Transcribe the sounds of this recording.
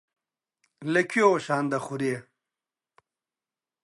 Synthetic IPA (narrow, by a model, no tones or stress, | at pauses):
lekʰjoɕaːnd̪aχuɾe